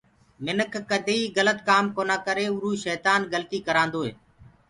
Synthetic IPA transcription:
mɪnəkʰːəd̪ʱeiːɣələt̪kaːmkoːnaːkəɾeːʊɾuːʃɛːt̪aːnɡəlt̪iːkəɾãːnd̪oːɦḛː

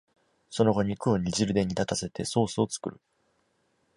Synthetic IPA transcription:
so̞no̞ɡo̞ɲ̟ikɯoɲ̟iʑiɾɯ̟d̪ẽ̞ɲ̟ːit̪at̪ase̞t̪e̞so̞ːso̞t͡sɨ̥kɯ̟ɾɯ̟

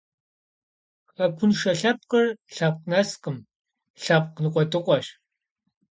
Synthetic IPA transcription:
χɐkʷʰʊnʂɐɬɐp̚qɐrɬap̚qnɐsqɨm | ɬap̚qnɨqʷʼɔtɨqʷʼɔɕ

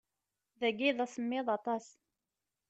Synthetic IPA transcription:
ðæɡiðˤæsəmːɪðˤɑt̪ˤɑs

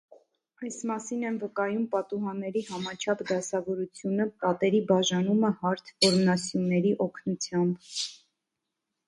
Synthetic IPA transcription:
ɑjsmɑsinɛnvəkɑjumpɑt̪uɦɑnːɛɾihɑmɑt͡ʃʰɑpʰd̪ɑsɑvɔɾut͡sʰjunəpɑt̪ɛɾibɑʒɑnuməhɑɾt̪ʰvɔɾmnɑsjunːɛɾiʔɔkʰnut͡sʰjɑmb

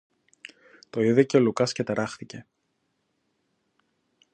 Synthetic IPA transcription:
t̪o̞iðiceo̞lukɐscet̪eɾɐxθice̞

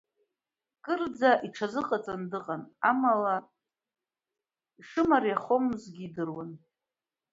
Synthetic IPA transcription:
kʼɨrd͡zaʔiʈ͡ʂʰazɨqʼat͡sʼandɨqʼanamala | iʂɨmarjaχomzɡʲiːdɨrwan

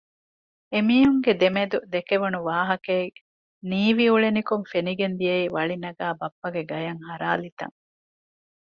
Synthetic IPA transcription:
emiːɦuŋɡed̪emed̪ud̪ekeʋɐnuʋaːɦɐke | niːʋiuɭenikuŋfeniɡend̪ijɐiʋɐɭinɐɡaːbɐpːɐɡeɡɐjɐŋhɐɾaːlit̪ɐ̰ŋ

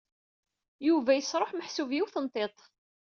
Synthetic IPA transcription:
juvæjəsɾˤoħməħsuvjiwθənt̪ˤet̪ˤ

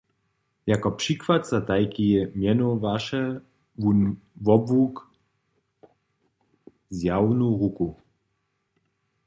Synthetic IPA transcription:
jakɔpʂikvat̪zat̪ajkiɛmjɛnɔvaʃɛ | vunvɔbvuk | zjawnuʁuku

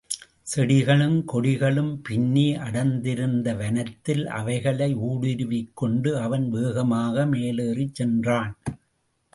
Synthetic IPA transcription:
sɛɽɪɣɐɭɯmkɔɽɪɣɐɭɯmpɪnːiʔɐɽɐnd̪ɪɾɯnd̪ɐʋɐnɐt̪ːɪlɐ̰ʋɐɪɣɐɭɐɪuːɽɪɾɯʋɪkːɔɳɖɯɐʋɐnʋeːɣɐmaːɣɐmeːleːrit͡ʃːɛndraːn

